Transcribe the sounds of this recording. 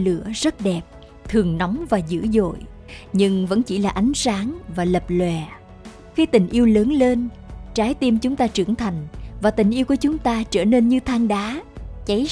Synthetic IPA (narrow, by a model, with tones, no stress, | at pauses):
lɨ̰˧˩˥əzə˦˥t̚ɗɛ˨˩p̚ | t̪ʰɨ˨˩əŋnɔ˨˦wŋ͡mvaː˨˩zɨ̰˧˥zo̰˧˨jɲɨ˧ŋvə̰˧˥nt͡ɕi˧˩laː˨˩ʔa˨˦jŋ̟saː˨˦ŋvaː˨˩lə˨˩p̚lwɛ˨˩ | xi˧t̪ï˨˩ŋ̟ʔi˧əwləː˨˦nle˧n | t͡ɕaː˨˦jt̪i˧mt͡ɕʊ˨˦ŋ͡mt̪aː˧t͡ɕɨ˧˩əŋt̪ʰa˨˩jŋ̟vaː˨˩t̪ï˨˩ŋ̟ʔi˧əwku˧˩ət͡ɕʊ˨˦ŋ͡mt̪aː˧t͡ɕəː˧˩ne˧nɲɨ˧t̪ʰaː˧ŋɗaː˨˦t͡ɕa˨˦j